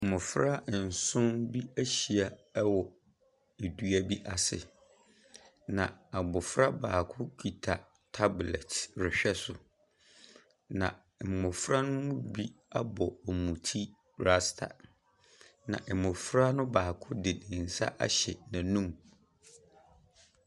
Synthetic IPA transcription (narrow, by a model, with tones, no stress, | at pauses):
m̩˨mʊ̃˨fɾa˦˨n̩˨sʊ̃˦nbi˦æ˦ɕi˨a˨˦wɔ˨ | e˨dɥæ˦bi˦ʔa˨sɪ̰˨ | nã˨a˨bʊ˨fɾa˦baː˨kʰʊ˦kʰi˨tʰa˨ | tʰa˦blɛ˨tɾɪ˨ɕᶣɛ˦sʊ˨ | nã˨ | m̩˨mʊ̃˨fɾa˦nʊ̃˦mʊ̃˦bi˦a˦bɔ˨ɔ˨mũ˨tʰi˦ | ɾa˦stʰa̰˨ | nã̰˨ʔɛ˨mʊ̃˨fɾa˦nʊ̃˦baː˨kʰʊ˦dɪ˨nɪ̃˨n̩˨sa̰˦ʔa̰˦ɕɛ˨nã˨nũ˦m